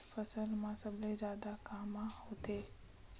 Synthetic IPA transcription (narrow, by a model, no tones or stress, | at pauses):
fəsəlmãsəblezjaːd̪akaːmãhot̪eː